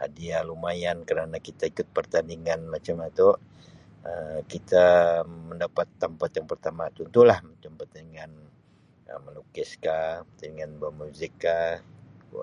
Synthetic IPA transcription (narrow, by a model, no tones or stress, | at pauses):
a̰dialumajankəɾanakit̪aikʊt̪̚pərt̪andiŋanmat͡ʃamat̪o | əkit̪aməndapat̪ːəmpat̪jaŋpərt̪amat̪unt̪ulahmat͡ʃampərt̪aniŋan | ə̰məlukɪskapərt̪andiŋanbamuzɪkːa